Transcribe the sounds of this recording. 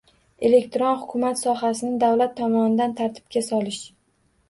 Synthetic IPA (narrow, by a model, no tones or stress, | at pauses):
e̞le̞kʲt̪ʰɾonhʊkʰʲʊmat̪sɒɦasɪnɪd̪awlat̪ʰːɒmɒnɪd̪ant̪ʰaɾt̪ʰɪ̥b̥̚kʲasɒlɪʃ